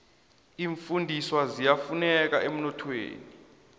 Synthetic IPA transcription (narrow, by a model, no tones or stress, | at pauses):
iːɱfundʱiswazijafunɛk̬a̰ʔem̩nɔtʰwḛːni